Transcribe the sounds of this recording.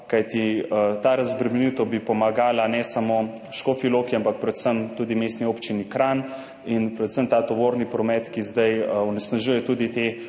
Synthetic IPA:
kajt̪it̪aːɾɐzbɾɛmɛnit̪ɔbipɔmaɡaːlanɛsamo | ʃkofilokiampak̚pɾɛt̪səmt̪uːd̪imeːst̪nioːpt͡ʃinikɾan | inpɾɛt̪səmt̪aːt̪oʋoːɾnipɾɔmɛt̪kizd̪ajɔnɛsnaʒujɛt̪uːd̪it̪e

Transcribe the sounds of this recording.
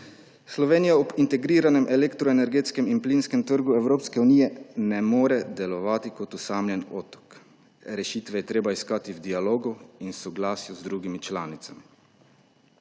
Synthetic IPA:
slɔʋeːnijaɔbint̪ɛɡɾiːɾanɛmʔɛlekt̪ɾɔenɛɾɡeːt̪skɛminpliːnskɛmt̪əɾɡuɛwɾoːpskɛuniːjɛnɛmoːɾɛd̪ɛlɔʋaːt̪ikɔt̪usaːmlʲjɛnɔːt̪ɔ̥k | ɾɛʃiːt̪ʋɛjɛt̪ɾeːbaiskaːt̪iwd̪ialoːɡuinsɔɡlaːsjuzd̪ɾuːɡimit͡ʃlaːnit̪sami

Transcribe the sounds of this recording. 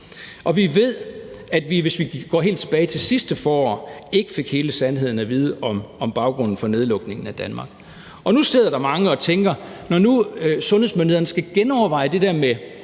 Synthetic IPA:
ʔɒ̽ʋiʋe̝ð̞̰ˠæd̥ʋiʋe̝sʋiɡ̥ɒ̰ːɦe̝̰ːld̥̚t͡sʰe̝b̥ɛːɪt͡sʰe̝lsisd̥əfɒːɒ̰ːe̝ɡ̥əfe̝ɡ̥he̝ːləsænhe̝ð̰ˠn̩æʋiːð̞ˠəʔɒmɒ̽mb̥ɑ̈ʊɡ̥ʁɔ̽nn̩fɒ̽ne̝ð̞ˠlɔ̽ɡ̥ne̝ŋn̩æd̥ænmɑ̈ɡ̥ | ʔɒ̽nusdeð̰ˠɐɾ̥ɑ̈mɑ̈ŋəɒ̽t͡sʰeŋɡ̥ɐnɒnusɔ̽nhe̝smøndieɐn̩ə̥sɡ̥æɡ̥enɒʊɐʋɑ̈ɪ̰əd̥e̝d̥eɐme

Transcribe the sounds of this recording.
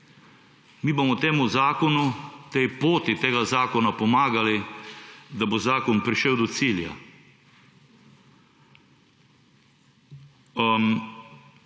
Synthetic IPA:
miːbomɔt̪eːmuzaːkɔnut̪ɛjpoːt̪it̪eːɡazaːkɔnapɔmaːɡali | d̪abozaːkɔnpɾiʃɛwd̪ɔt̪siːlja̰ | m

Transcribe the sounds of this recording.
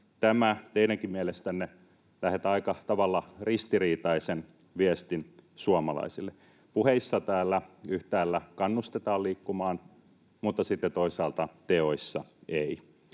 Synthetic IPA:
t̪æmæt̪einæŋkimmielest̪ænːe | læhet̪ɑikɑt̪ɑʋɑlːɑrist̪iriːt̪ɑisen | ʋiest̪insuɑmɑlɑ̰isilːe | puheisːɑt̪æːlːæyht̪æːlːækɑnːust̪et̪ɑːliːkːumɑːn | mut̪ːɑsit̪ːet̪oisɑːlt̪ɑt̪eoisːɑei

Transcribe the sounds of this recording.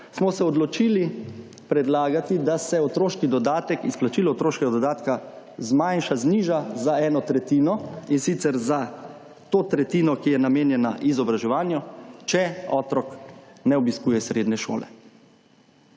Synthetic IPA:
smɔsɛɔd̪lɔt͡ʃiːli | pɾɛd̪laːɡat̪id̪asɛɔt̪ɾoːʃkid̪ɔd̪aːt̪ɛkisplat͡ʃiːlɔt̪ɾoːʃkɛɡad̪ɔd̪aːt̪ka | zmajnʃazniːʒazaɛːnɔt̪ɾɛt̪iːnɔinsit̪sɛɾza | t̪oːt̪ɾɛt̪iːnɔkijɛnameːnjɛna̰ʔizɔbɾaʒɛʋaːnjɔt͡ʃɛɔːt̪ɾɔknɛɔbiskuːjɛsɾeːd̪nɛʃo̰ːlɛ̰

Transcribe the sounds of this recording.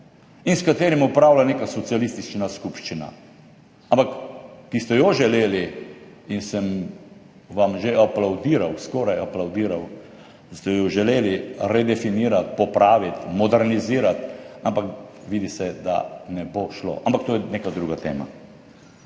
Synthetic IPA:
inskat̪eːɾimupɾaːwlaneːkasɔt̪sialist̪it͡ʃnaskupʃt͡ʃina̰ | ampakːist̪ɛjɔʒɛleːliinsəm | ʋamʒeʔaplawd̪iːɾawskɔːɾajaplawd̪iːɾaw | st̪ɛjɔʒɛleːliɾɛd̪ɛfiniːɾat̪̚pɔpɾaːʋit̪mɔd̪ɛɾniziːɾat̪ampakʋiːd̪isɛd̪a̰nɛboʃlo̰ːʔa̰mpak̚t̪oːjɛneːkad̪ɾuːɡat̪ḛːma̰

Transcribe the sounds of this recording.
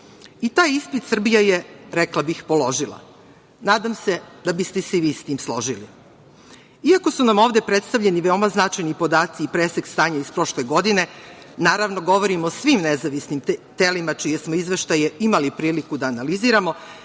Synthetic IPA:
it̪aːjispit̪sr̩bijajeɾɛklˠabixpo̞lˠo̞ʒilˠa̰ | naːd̪amse̞d̪abist̪esɛʋiːst̪iːmslˠo̞ʒilḭ | iako̞sunamo̞ːʋd̪e̞pɾe̞t̪st̪aʋʎe̞niʋeo̞maznat͡ʃajnipo̞d̪aːt̪siːpɾeseɡst̪aːɲaispɾo̞ʃleɡo̞d̪ine̞ | naːɾaʋno̞ɡo̞ʋo̞ɾimosʋimnezaʋisnimt̪elimat͡ʃije̞smoizʋeʃt̪ajeimalipɾiːlikud̪aːnaliziːɾamo̞

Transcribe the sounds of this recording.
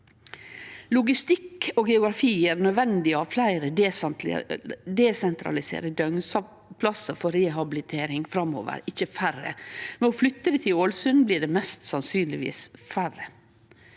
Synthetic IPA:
lʊɡɪst̪ɪkoːɡɛʊɡɾɑfiːəɾnœd̪ʋɛnd̪ɪɑʋflæɪɾəd̪ | d̪ɛsɛnt̪ʰɾɑ̰lɪsḛːɾəd̪œŋsɑ | pʰlɑsəfɔɾɛɦɑbɪlɪt̪ʰeːɾɪŋfɾɑmo̰ːʋə̰ɾɪçːəfærə̰mɛoːflʏt̪ːəd̪ɛt̪ʰɪoːlsʉnbliːɖɛmɛst̪sɑnsyːnlɪʋḭːsfæɾə

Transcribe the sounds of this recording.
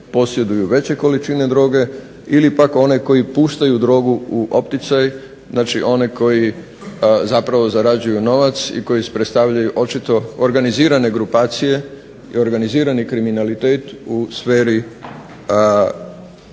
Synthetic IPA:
po̞sje̞d̪ujuʋe̞t͡ɕe̞ko̞lit͡ʃine̞d̪ɾo̞ːɡe̞ | ilipako̞neko̞jipuːʃt̪ajud̪ɾo̞ːɡuuʔo̞pt̪it̪saj | znat͡ʃiʔo̞neko̞ji | zapɾaʋo̞zaɾad͡ʑujuno̞ʋat̪sḭko̞jise̥pɾet̪st̪aʋʎajuʔo̞t͡ʃit̪o̞oɾɡaniziːɾane̞ɡɾupaːt̪sije̞ | ḭo̞ɾɡaniziːɾanikɾiminalit̪eːt̪usfeːɾi

